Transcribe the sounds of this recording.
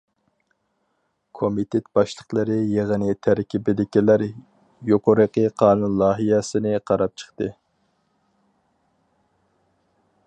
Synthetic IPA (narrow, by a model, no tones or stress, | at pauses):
kʰomit̪ʰet̪b̥ɑʃlˠəqlˠɨɾɨjeʁənɪt̪ʰæɾkʲibɪd̪ɪkʲilæɾ | joqʰoɾəqʰəqʰɑːnunlˠɑːɦijɛsɪnɪqʰɑɾɑp̚t͡ʃʰə̥χt̪ɨ